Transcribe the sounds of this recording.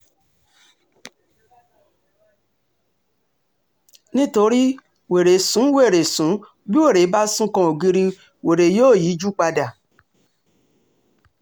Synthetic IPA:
nĩ˦to˧ɾi˦ | we˨ɾe˨sũ˨˦we˦˨ɾe˨sũ˨˦ | bi˦we˦˨ɾe˨˦ba˦sũ˦kɔ̃˧˦o˨ɡi˧ɾi˧ | we˨ɾe˨joː˦˨ji˨˦d͡ʒu˦k͡pa˧da˨

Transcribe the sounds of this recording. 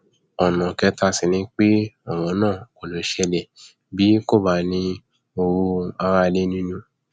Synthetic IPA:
ɔ˨nã˨kɛ˧˦ta˧si˨nĩ˧˦k͡pe˦ɔ˦˨w̃ɔ̃˨˦nãː˦˨ko˨lo˨˦ʃɛ˧lɛ˨ | bi˨˦ko˦˨ba˦nĩ˧ | o˧ɾu˧a˧ɾa˧le˦nĩ˦nũ˦

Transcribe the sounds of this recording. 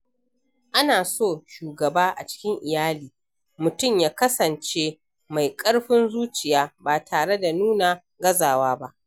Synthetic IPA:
ʔa˦naː˨soː˦˨ʃuː˨ɡɐ˨baː˦ʔa˨t͡ʃɪ̥˦kʲɪ˦ŋʔɪ˨jaː˦liː˨ | mʊ˨tʊ˦˨mjaː˦kɐ˦sɐ˨nt͡ʃeː˦ | ma˨jkʼɐ˦ɽɸɪ˦nzuː˦t͡ʃɪ˨jaː˦baː˨tʰaː˨ɽe˦da˨nuː˦na˨ | ɡɐ˦zaː˨waː˦ba˦ʔ

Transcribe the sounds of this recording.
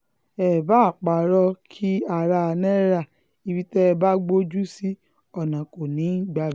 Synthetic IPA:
ɛ˨ba˨˦˨k͡pa˨ɾɔ˧kʰi˦a˨ɾa˧nɛ̃˦ɾa˦˨ | i˨bi˦tɛ˦˧ba˦ɡ͡bo˦d͡ʒu˦si˦ | ɔ˨nã˨ko˨nĩ˨˦˨ɡ͡ba˧˨˦

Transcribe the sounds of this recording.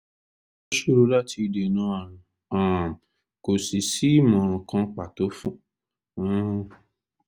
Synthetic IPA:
o˦ʃu˦˨ɾu˧˦la˦˨tʰi˧i˧de˨nũ˨˦a˦˨ɾ̃ã˨ | ã˨ | ko˨si˨si˦mɔ̃˨kã˧k͡pa˨to˨˦fũ˦

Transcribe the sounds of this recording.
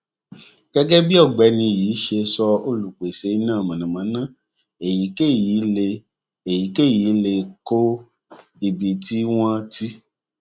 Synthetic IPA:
ɡ̥ɛ˦ɡɛ˦bi˦ɔ˦˨ɡ͡bɛ˨˦nĩ˧˨jiː˨˦ʃe˧sɔ˧o˧lu˨k͡pe˨se˨˦i˧˦nãː˦˨mã˨nã˨mã˨˦nã˦˨ | e˨ji˨˦ke˦˨ji˨˦le˧ | e˨ji˨˦ke˦˨ji˨˦le˧ko˦ | i˨bi˨ti˨˦w̃ɔ̃˧ti˦

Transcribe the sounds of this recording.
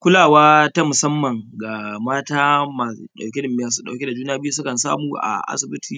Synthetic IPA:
kʷʊ˦laː˨waː˦ta˦mʊ˨sɐ˦mːɐ˨ŋɡa˨maː˦taː˦maː˨ṵ˦ɗa˨wkʲe˦dɪ˨mː˨˦aː˨s̬u˦ɗa˨wkʲe˦da˨d͡ʒuː˦n˦aː˦bɪ˦ju˦s̬ʊ˦kɐ˨nsa̰ː˦muː˨ʔa̰˨ʔa̰˦sɪ˨bɪ˦tʰiː˨

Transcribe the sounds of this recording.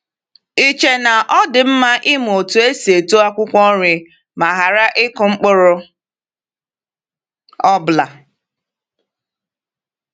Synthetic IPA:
i˦t͡ʃe˨na˨ʔɔ˦dɪ˨m̩˦ma˦ʔɪ˦m˨o˨tu˨e˦se˨to˦a˦kʷʊ˦kʷɔ˦ɾɪ˨ | ma˨ɦa˨ɾa˦ʔɪ˦kʊ˨ŋ͡m̩˦k͡pʊ˦ɾʊ˦ | ɔ˦bla˨

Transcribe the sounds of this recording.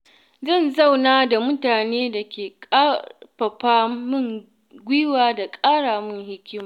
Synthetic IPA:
zɐ˦˨nzɐ˦˨wnaː˦da˨mʊ˦taː˨neː˦da˨kʲeː˨kʼa˦ɸɐ˨ɸaː˦mʊ˦˨ŋ | ɡʷiː˦waː˨da˨kʼaː˦ɽaː˨mʊ˦ŋhɪ˦kʲɪ˦maː˨

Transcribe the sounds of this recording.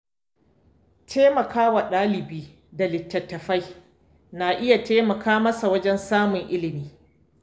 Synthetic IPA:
tʰeː˦mɐ˨kʰaː˦wa˨ɗaː˦lɪ˨biː˦ | da˨lɪ˨tːɐ˨tːɐ˨ɸa˦j | na˨ʔɪ˦ja˨teː˦mɐ˨kʰaː˦mɐ˦sa˨wɐ˦d͡ʒɛ˦nsaː˦mʊ˨ŋʔɪ˦lɪ˨miː˦

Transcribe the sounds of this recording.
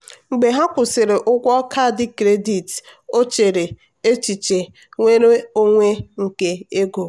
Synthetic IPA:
ŋ͡m̩˨ɡ͡be˨ɦa˦kʷʊ˨sɪ˨ɾe˨ʔʊ˦kʷɔ˦kʰa˦˨dɪ˦kɾe˦di˨to˦t͡ʃe˨ɾe˨ | e˦t͡ʃi˨t͡ʃe˨ | ŋʷe˦ɾe˦o˦ŋʷe˦ŋ̩˨ke˦e˦ɡo˨

